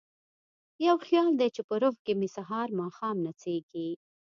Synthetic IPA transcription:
jawxjɑld̪et͡ʃepəɾoɦkemisaɦɑɾmɑxɑmnat͡seɡi

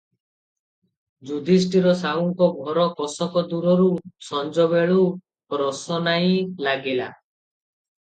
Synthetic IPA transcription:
d͡ʒud̪ʱis̬ʈiɾɔsauŋkɔɡʱɔɾɔkɔsɔkɔd̪uɾɔɾusɔnd͡ʒɔbeɭu | kɾɔsɔnaĩlaɡila̰

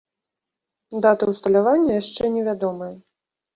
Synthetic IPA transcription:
d̪at̪ɐwst̪ɐlʲavanʲːɐjaʂt͡ʂɛnʲɛvʲad̪ɔmɐjɐ

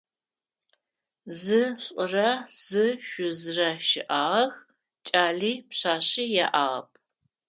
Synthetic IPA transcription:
zɨɕʷʼʊrɐz̥ɨʃʷʊzrɐʃɪʔaːʁɐx | t͡ʃʼaːɮiːpɕaːɕijaːʔa̰ːʁɐ̰pʰ

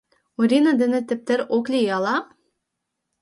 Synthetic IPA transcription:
uɾʲinad̪ɘ̆nɘ̆t̪ɘ̆p̚t̪ɘɾoklʲijɑlˠɑ

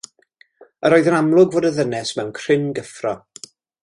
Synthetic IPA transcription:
əɾoːjðənamlˠʊɡvoːdəðənɛsmɛwnkʰr̥ɪnɡəfrɔ

